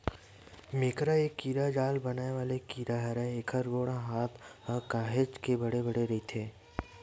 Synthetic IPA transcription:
mɪːkɾaeːkːiːɾad͡ʒaːlbɐnaːeʋaːlekiːɾaɦɐɾɛeːkʰəɾʋoːɽãɦaːt̪əkaːɦed͡ʒkebɐɽebɐɽeɾɐɦit̪ʰeː

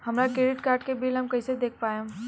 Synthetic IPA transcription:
hɐmɾakɾeːɖɪʈkaːɾʈkebiːlɦɐmkɐised̪eːk̚ʰpaːẽ

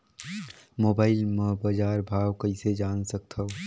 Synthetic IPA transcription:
moːbaːɪlmɐbad͡ʒaːɾbʱaːwkɐɪsed͡ʒaːnsɐk̚t̪ʰɐo

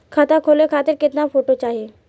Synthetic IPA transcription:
kʰat̪akʰolekʰaːt̪ɪɾkɪt̪nafoʈot͡ʃaːɦie

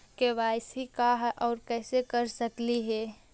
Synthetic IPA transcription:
keʋaːɪsɦikaɦɛʔɔːɾkɛːsekəɾsəkliɦɛ

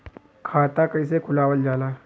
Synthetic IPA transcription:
kʰat̪akəjs̬ekʰulaʋəld͡ʑala

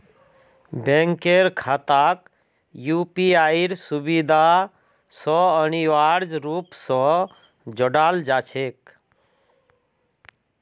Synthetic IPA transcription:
bẽŋkeɾkʰat̪ak | jupiaiɾsubid̪ʱa | sɔəniʋaɾd͡ʒɾupsɔ̃ | d͡ʒɔɽald͡ʒat͡ʃʰek̚

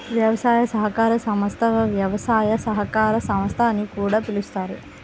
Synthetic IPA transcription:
ʋjɐʋɐsaːjɐsɐɦɐkaːɾɐsɐmɐst̪ʰɐʋɐʋjɐʋɐsaːjɐsɐɦɐkaːɾɐsɐmɐst̪ʰɐnːikuːɽaːpilust̪aːɾu

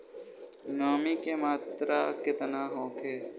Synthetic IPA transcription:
noːmikemaːt̪ɾakɪt̪naːɦõːkʰeː

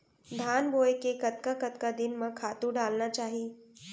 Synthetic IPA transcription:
d̪ʱaːnboːjkekɐt̪̚kakɐt̪kad̪ɪnmə̃kʰaːt̪uɖaːlnat͡ʃaːɦi

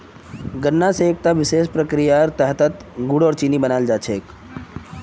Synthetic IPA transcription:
ɡənːaseːk̚t̪aʋɪseːʃpɾəkɾijaɾt̪əɦt̪ət̪ɡʊɽɔːɾt͡ʃinibənaːld͡ʒaːt͡ʃʰeːk

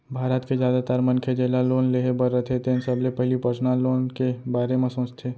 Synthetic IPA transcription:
bʱaːɾət̪kezjaːd̪at̪əɾmɐ̃nkʰed͡ʒelaloːnleːɦebəɾːət̪ʰet̪ʰeːnsɐblepɛɦlipɐt͡ʃnaloːnkebaːɾemẽsõːt͡ʃt̪ʰeː

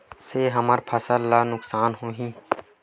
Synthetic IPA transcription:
seɦəməɾpʰɐsəlːanʊksaːnɦoːɦĩː

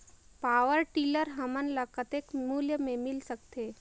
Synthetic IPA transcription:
paːʋəɾʈiːləɾɦɐmənlɐkət̪ekmuːljəmẽmɪlsəkt̪eː

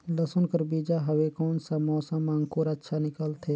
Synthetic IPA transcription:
ləsʊnkəɾbiːd͡ʒaɦɐwekɔːnsamɔːsãmãːŋɡkuːɾətːʃʰanɪkəlt̪ʰeː

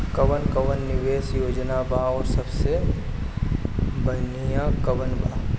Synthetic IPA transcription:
kəʋənkəʋənːɪʋeːsjoːd͡ʒnabaɔːɾsəbse | bənijãkəʋənba̰

